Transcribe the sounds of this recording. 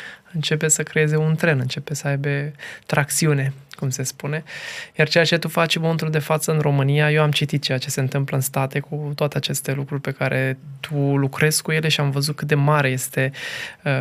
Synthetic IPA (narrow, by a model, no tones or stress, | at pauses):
ɨnt͡ʃe̞p̬e̞səkɾee̞ze̞unt̪ɾe̞nɨnt͡ʃe̞pe̞səajbe̞t̪ɾʔak̚t̪siune̞kumse̞spune̞jart͡ʃe̞jat͡ʃe̞t̪ufat͡ʃmoment̪uld̪e̞fat̪səɨnɾo̞mɨnijajewamt͡ʃit̪it̪̚t͡ʃejat͡ʃe̞se̞ɨnt̪ɨmpləɨnst̪at̪e̞kut̪oat̪eat͡ʃe̞st̪e̞lukɾurʲpe̞kaɾʔe̞t̪ʰulukɾe̞skuje̞le̞ʃiamvəzut̪̚kɨt̪̚d̪e̞maɾe̞je̞st̪e̞ə